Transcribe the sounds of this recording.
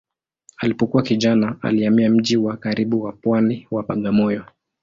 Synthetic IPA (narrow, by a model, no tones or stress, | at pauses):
alipɔkuwakiʄanaa̰liamiam̩ʄiwakaɾiɓuwapwaniwapaɠamɔjɔ